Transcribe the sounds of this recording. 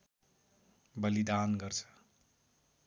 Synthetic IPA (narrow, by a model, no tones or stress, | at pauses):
bʌlid̪anɡʌrt͡sʰʌ̥